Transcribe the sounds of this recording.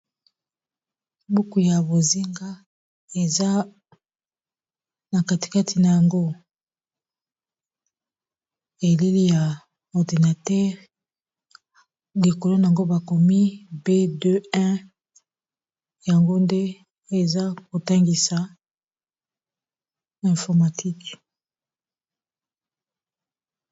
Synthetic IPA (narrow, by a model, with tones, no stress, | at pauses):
bu˦ku˨ja˨bo˨zi˦ŋɡa˦ | e˨za˦ | na˨ka˦ti̥˨ka˦tʰi˨na˨ja˨ŋɡo˦ | e˨li˦li˦ja˨ | ɔ˨di˨na˨tɛ˦ʁ | li˨ko˨lo˦na˨a˨ŋɡo˦ba˨ko˨mi˦be˦dø˦ɛ̃˦ | ja˨ŋɡo˦nde˦ | e˨za˦ko˨ta˦ŋɡi˨sa˨ | ɛ̃˨fɔ˨ʁma˨tʰi˦k